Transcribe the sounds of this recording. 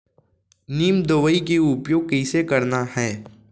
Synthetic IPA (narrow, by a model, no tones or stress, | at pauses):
niːmd̪oʋəikeʊpjoːɡ̚kɛɪsekɐɾnahɛː